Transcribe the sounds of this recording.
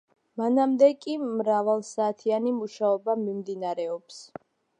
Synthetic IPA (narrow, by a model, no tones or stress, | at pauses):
manamd̪ɛkʼimɾavalˠsaːt̪ʰianimuʃaɔbamimd̪inaɾɛɔps